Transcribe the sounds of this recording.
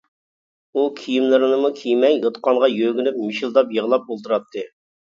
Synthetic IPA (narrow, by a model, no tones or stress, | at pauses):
ukʲʰijimlɪɾɨnɨmukʲʰijmɛjət̪qɑŋʁɑjøɡʲynyp̚mɪʃilˠd̪ɑpjəʁlˠɑp̚bolˠt̪ʰuɾɑt̪ʰːɨ